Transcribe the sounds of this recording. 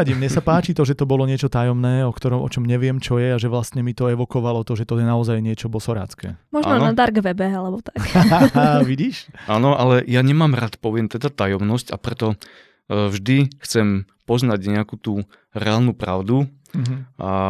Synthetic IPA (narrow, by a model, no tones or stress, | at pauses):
aɟimɲɛsapaːt͡ʃit̪ɔʒɛt̪ɔbɔlɔɲɪɛt͡ʃɔt̪ajɔmnɛːɔkt̪ɔɾɔmʔɔ̰t͡ʃɔmɲɛʋɪɛmt͡ʃɔjɛaʒɛʋlast̪ɲɛmit̪ɔɛʋɔkɔʋalɔt̪ɔʒɛt̪ɔjɛnaɔzajɲɪɛt͡ʃɔbɔsɔɾa̰ːt͡skɛ̰ːmɔʒnɔnad̪aɾɡʋɛbɛalɛbɔt̪ḁkːaʋiɟiːʃʔanɔʔalɛjaɲɛmaːmɾat̪pɔʋɪɛmt̪ɛd̪at̪ajɔmnɔsca̰pɾɛt̪ɔ | vʒd̪ixt͡sɛmpɔznaɟɲɛakuːt̪uː | ɾɛaːlnupɾa̰ʊd̪u | ʔa